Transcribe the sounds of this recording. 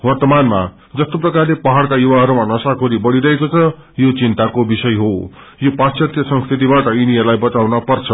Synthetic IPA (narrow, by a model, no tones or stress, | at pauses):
wʌrt̪ʌmanma | d͡zʌst̪oprʌkarlepʌɦaɽkajuwaɦʌɾumanʌsakʰoɾibʌɽiɾʌɦekot͡sʰʌ | jot͡sint̪akobisʌjɦo | jopasjʌt̪jʌsʌ̃ŋskʰrit̪ibaʈʌiniʌlajbʌt͡sawnʌpʌrt͡sʰʌ